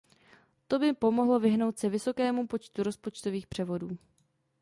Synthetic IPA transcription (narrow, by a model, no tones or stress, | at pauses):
t̪o̞bɪpo̞mo̞ɦlo̞vɪɦno̞wt̪sɛvɪso̞kɛːmupo̞t͡ʃt̪uɾo̞spo̞t͡ʃt̪o̞viːxpr̝̥ɛvo̞duː